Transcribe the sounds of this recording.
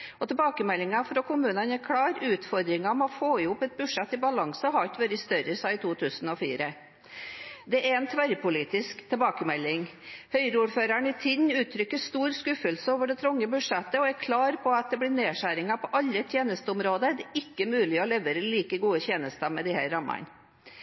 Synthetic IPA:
ɔt̪ʰɛbɑːkəmɛlːɪŋɑfɾɔkʰʊmʉːnənæɾkʰɽɑːɾʉːt̪fɔɾd̪ɾɪŋɑmɛɔfoːɪʊpːɛt̪̚bʉ̥ʂɛt̪ːɪbɑlɑŋsəɦɑt̪ʋøɾɪst̪œɾəsɑɪt̪ʰuːt̪ʰʉːsənɔfiːɾə | d̪ɛʔæɾɛnt̪ʰʋæɾpʰʊliːt̪ɪskt̪ʰɛlbɑːkəmɛlːɪŋhœʏɾəuːɾføːɾæɳɪt̪ʰɪd̪nʉːt̪ʰɾʏkːəst̪uːɾskʉfəlsəoːʋəɖɛt̪ʰɾʊŋːəbʉʂɛt̪ːəɔɛɾkʰlɑːɾpʰɔɑt̪̚d̪ɛblɪneːʂæːɾɪŋɑpʰɔʔɑlːət̪ʰjeːnəst̪əʊmɾoːd̪ədɪkːəmʉːlɪɔlɛʋeːɾəliːkəɡuːət̪ʰjeːnəst̪ɑmɛd̪ɪhæːɾɾɑmːɑ̰ɳ

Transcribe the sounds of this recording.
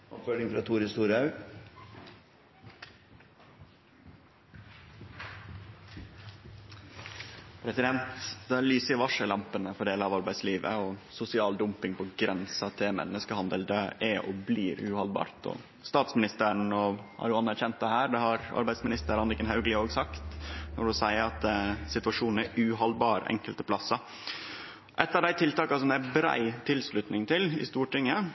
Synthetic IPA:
ɔ̰pføɖɪŋfɾɑːt̪ʰuːɾɪst̪uːɾɑʉ | pʰɾɛsɪd̪ɛnt̪d̪ɛæːɾɭyːsəɪʋɑʂəlɑmpənəfɔɖeːləɑʋɑɾbæɪd̪sliːʋə̰ɔsʊsɪɑːld̪ʊmpɪŋpɔɡɾɛnsɑt̪ʰemɛ̰nəskəhɑnd̪əld̪ɛæɔ̰bliːɾʉ̰hɑlbɑ̰ːɾt̪ɔ̰ | st̪ɑːt̪smɪnɪst̪əɾɳɔhɑ̰ɾjʊɑnːæɾçɛnt̪̚d̪ɛhæːɾɖ̪ɛhɑɾɑ̰ɾbæɪd̪smɪnɪst̪əɾɑnɾɪkːənɦɑʉɡlɪoːɡsɑkt̪nɔɖʊsæɪəɾɑt̪̚d̪ɛsɪt̪ʉɑʂuːnn̩æʔʉɦɑlbɑːɾɛ̰ŋkəlt̪əpʰlɑsːɑ | ʔɛt̪ːɑʋd̪æɪt̪ʰɪlt̪ɑːkɑsɔmd̪ææbɾæ̰ɪt̪ʰɪlslʉt̪nɪŋt̪ʰɪlɪ̰st̪uːʈɪŋːə

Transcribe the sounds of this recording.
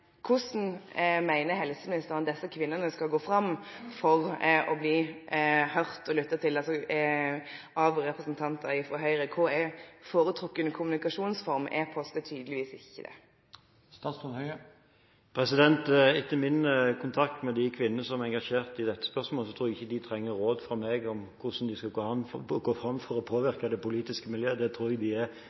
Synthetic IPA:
kʰʊsn̩mæɪnəhɛlsəmɪnɪst̪əʁnd̪ɛsːəkʰʋɪnːənəskɑlɡoːfɾɑmfɔʁʔɔbliː | hœʁt̪ɔlʏt̪ːət̪ʰɪlɑlsɔ | ɑʋɾɛpʁɛsnt̪ʰɑnt̪əɾɪfɔɾɦœʏɾəkʰʊɾɛfoːɾət̪ʰɾʊkːənkʰʊmʉnɪkɑʂuːnsfɔɾmɛ̰pʰɔst̪ət̪ʰyːd̪əlɪʋiːsɪçːəd̪ɛ̰ | st̪ɑːsɔnhœʏə | pʰɾɛsɪd̪ɛnt̪ɪt̪ːəmɪnəkʰʊnt̪ʰɑk̚t̪mɛd̪ɪkʰʋɪnːənəsɔmɛɛŋɡɑʂeːʁt̪ɪd̪ɛt̪ːə̥spœʁʂmoːləsɔt̪ʰɾuːɾɛɡɪçːəd̪ɪt̪ʰɾɛŋːəɾoːd̪fʁɑmɛɡɔmkʰʊsn̩d̪ɪskɑɡoːɑɡoːfɾɑmːfɔɾɔpʰoːʋɪɾkəd̪ɛpʊliːt̪ɪskəmɪljøːd̪ɛt̪ʰɾuːɾɛɡd̪ɪɛ

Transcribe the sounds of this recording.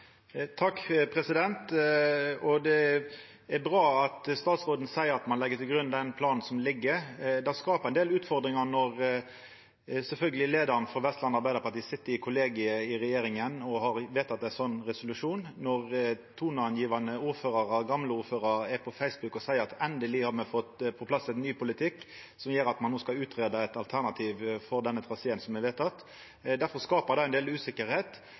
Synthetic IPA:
t̪ʰɑkːpʰɾɛsɪd̪ɛnt̪ | ɔd̪ɛ | æɾbɾɑːɑt̪st̪ɑːt̪sʁoːd̪nsæɪəɾɑt̪mɑnlɛɡːət̪ɪlɡɾʉnd̪ɛnpʰlɑːnn̩sɔmlɪɡːəɾd̪ɛskɑːpəʁɛɪnd̪eːlʉːt̪fɔɾd̪ɾɪŋɑnɔʁ | sɛlfœlɡəlɪleːd̪əɾnfɔʋɛst̪lɑnɑɾbæɪd̪əʁpɑt̪iːsɪt̪ːəɪkʰʊleːɡɪəɪɾɛjeːɾɪŋənɔhɑɾʋeːt̪ɑt̪̚d̪ɛæsɔnːɾɛsʊlʉʂuːnnɔʁt̪ʰuːnɑɑnjiːʋɑnəuːɾføːɾɑɾɑɡɑmləuːɾføːɾɑɛpʰɔfæɪsbʉkɔsæɪəɾɑt̪ɛnd̪əlɪhɑɾmɛfɔt̪pʰɔpʰlɑsːɛnyːpʊlɪt̪ʰɪkː | sɔmjeːɾɑt̪mɑnːoːskɑʉːt̪ɾeːd̪əɛt̪ɑlt̪ʰæʁnɑt̪ʰiːʋfɔɾd̪ɛnːət̪ʰɾɑseːənsɔmːɛʋeːt̪ɑt̪ | d̪æɾfɔɾskɑːpəɾd̪ɑɛnd̪eːlʉːsɪkəɾheːt̪

